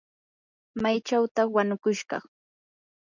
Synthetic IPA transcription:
majt͡ʃawt̪ɑwanʊkʊʃɢɑ̰χ

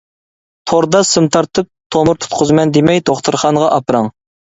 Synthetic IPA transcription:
pʰoɾd̪ɑsɨmt̪ʰɑɾt̪ʰɨp̚t̪ʰomʊɾt̪ʰu̥t̪qʰʊzmɛnd̪emɛjt̪ʰoχt̪ʰɨɾχɑnʁɑʔɑpɾɑŋ

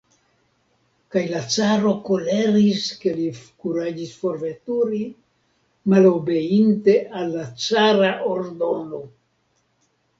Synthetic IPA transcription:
kajlat͡saɾo̞ko̞leɾiske̞likuɾad͡ʒisfo̞ɾve̞tuɾi | malo̞be̞inte̞ʔalːat͡saɾaʔo̞ɾdo̞no̞

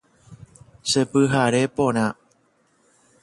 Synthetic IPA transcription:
səpɨɦaɾepoña

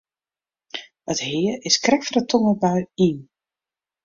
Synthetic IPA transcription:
əthɪərɪskrɛkfərətʰɔməbœɥin

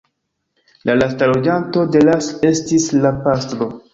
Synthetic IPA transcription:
lalastalo̞d͡ʒanto̞de̞lase̞stislapastɾo̞

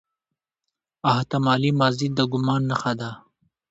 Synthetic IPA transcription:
aht̪amɑːlimazid̪əɡʊmɑːnːaxad̪a

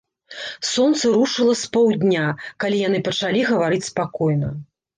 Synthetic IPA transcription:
sɔnt̪sɐɾuʂɨlˠɐspɔwd̪ʲnʲakalʲijanɨpɐt͡ʂalʲiɣɐvaɾɨt͡sʲspakɔjnɐ

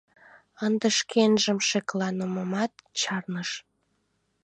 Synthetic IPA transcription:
ənd̪əʃkʰenʒəmʃeklɑnəməmɑt̪̚t͡ɕɑrnəʃ

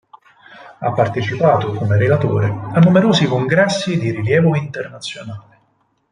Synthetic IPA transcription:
a̰pːart̪et͡ʃipaːt̪ʊkʊmeɾelat̪o̰ːɾeanːumeɾoːsikoŋɡɾɛsːid̪iɾiljɛːvoint̪ernat̪sːjonaːlɪ

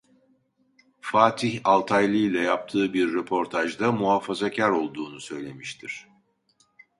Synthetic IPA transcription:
faːt̪ʰiçalˠt̪ʰajlʲˠɯjlʲɛjap̚t̪ʰɯːbiɾːepʰo̞ɾt̪ʰaʒd̪amuɦaːfazacʰæɾo̞lˠd̪uːnusø̞jlʲe̞miʃt̪ʰiɾ̥

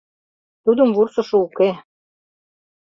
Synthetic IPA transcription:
t̪ud̪ɤ̆mβursɤ̆ʃŏuke

